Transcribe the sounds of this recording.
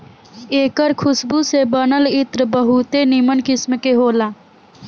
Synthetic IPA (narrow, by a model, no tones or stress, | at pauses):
eːkəɾkʰʊsbusebənəlɪt̪ɾbəɦut̪enimənkɪsmkeɦoːlaː